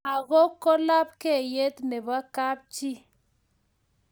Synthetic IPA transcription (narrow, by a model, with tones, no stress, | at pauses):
a˨ɣɔ˦kɔ˦la˦p̚kɛ˦˨je˦tnɛ˨ba˦ka˦p̚t͡ʃi˦